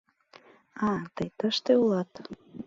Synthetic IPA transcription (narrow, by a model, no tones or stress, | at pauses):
ɑt̪əjt̪əʃt̪eulɑt̪